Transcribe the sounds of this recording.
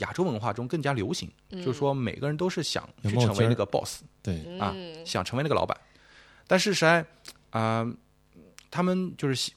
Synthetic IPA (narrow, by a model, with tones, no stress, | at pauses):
ja̰˨˩ʈ͡ʂo˥ʊwə˧˥nxwa̰˥˩ʈ͡ʂʊ˥ŋkɤ˥˩ŋt͡ɕja˥ljo˧˥ʊɕḭ˧˥ŋt͡ɕt͡ɕjo˥˧ʊʂɻ̩˥˩ʂwɔ˥me˨˩ɪɡə˥ɻə˧˥nt̪̬o˥ʊʂɻ̩˥˩ɕjɑ̰˨˩˦ŋt͡ɕʰy˥ʈ͡ʂʰɤ˧˥ŋe˧˥ɪna˥˩ɡə˩pɔ̰˥˩sɐ̰˧ɕjɑ̰˨˩ŋʈ͡ʂʰə˧˥ŋ˥˧˥ɪn˥˩ə˨l̰ɑ˧˥pa̰˨˩˦n | t̪a˥˧nʂ̬ɻ̩˥˩ʂɻ̩˥a˥˩ɪ | ə˧ | t̪ʰa˥mə˨nt͡ɕjo˥˧ʂɻ̩˥˩ɕ